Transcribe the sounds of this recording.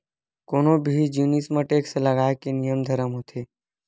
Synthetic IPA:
koːnobʱid͡ʒjuːnismə̃ʈeːkseləɡaːekenijəmd̪ʱəɾəmɦot̪ʰeː

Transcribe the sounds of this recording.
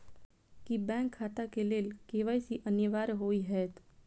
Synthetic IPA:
kibɛ̃ːŋkʰːaːʈ̪akeleːlkeːʋaːisiʔənjəʋaːɾɦoːiɦɛːt̪

